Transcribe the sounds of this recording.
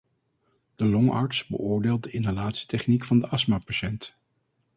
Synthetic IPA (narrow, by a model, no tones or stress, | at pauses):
d̥əlɔŋɑ̰ɹtsbə̰ʔʊːɹdeːlˠt̚dəʔɪnalaːtsi̥tɛχnikfɑndəʔɑsmapaʃɛnt